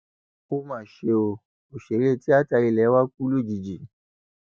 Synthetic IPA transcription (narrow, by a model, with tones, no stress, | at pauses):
o˦mã˦˨ʃe˧o˧ | o˨ʃe˨ɾe˦˨ti˦a˦ta˧ɾi˧˨lɛ˨˦wa˦k͡pu˦lu˦˨d͡ʒi˨d͡ʒi˨